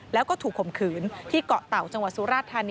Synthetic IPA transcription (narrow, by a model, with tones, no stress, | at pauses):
lɛː˦˥wkɔː˥˩t̪ʰuː˨˩kʰːo˨˩mkʰɯː˩˦nt̪ʰiː˥˩kɔ˨˩ʔt̪a˨˩wt͡ɕa˧ŋwa˨˩t̪̚su˦ɾaː˥˩t̪ʰːaː˧ni